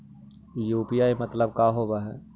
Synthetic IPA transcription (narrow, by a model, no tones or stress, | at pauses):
juːpiaːimɐt̪ləb̚kaːɦoːbaɦɛː